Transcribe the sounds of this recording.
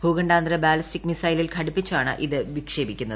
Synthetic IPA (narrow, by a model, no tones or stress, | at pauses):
bʱuːɣɐɳɖaːnd̪ɾɐbaːlistikːmisɐjlilkʰɐɽupːit͡ɕːaːɳɨ̰ʔiðɨʋikʂeːbikʲːunːɐð